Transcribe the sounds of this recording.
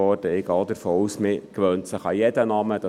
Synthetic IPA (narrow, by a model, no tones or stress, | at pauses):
ɔːɾd̥əɪɡɑːdɛɾfoːusmɪkʋœːntsəχɑjɛdənɑːməd̥ɑ